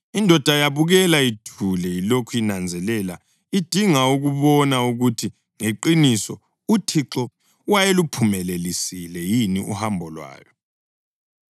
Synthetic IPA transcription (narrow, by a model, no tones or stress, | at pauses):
indʱɔd̥ʱajaβuɣɛlaitʰulɛilokʰujinand͡zʱɛlɛla | id̥ʱiŋauɣuβɔnauɣutʰi | ŋeǃinisɔ | utʰiǁɔ | wajelupʰumɛlelisilɛjiniṵhambʱɔlwa̰ːjɔ